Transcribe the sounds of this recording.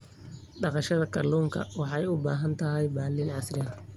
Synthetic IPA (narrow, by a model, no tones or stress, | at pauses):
ɖɑqɑʃɐðɐkʰɐrluːŋkʰɐ̰wɑħɑjʊbaːɦɐnt̪ʰɐɦɛjbaːliːnʕɑsɾɛn